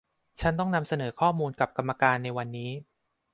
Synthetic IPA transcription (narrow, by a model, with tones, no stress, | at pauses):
t͡ɕʰa˦˥nt̪ɔ˥˩ŋna˧msa˧nɤː˩˦kʰɔː˥˩muː˧nka˨˩p̚ka˧mːa˧kaː˧nːa˧jwa˧nːiː˦˥